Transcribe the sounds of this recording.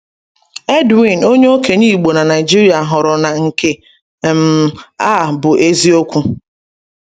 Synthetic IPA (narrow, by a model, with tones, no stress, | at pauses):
e˦dwi˨no˦ɲe˦o˦ke˨niː˦˨ɡ͡bo˨na˨na˨jɪ˨d͡ʒi˦ɾi˦a˨ɦʊ˨ɾʊ˨na˨ŋ̩˨ke˨ | m̩˦a˦˨bʊ˨ʔe˦zi˦o˦kʷu˦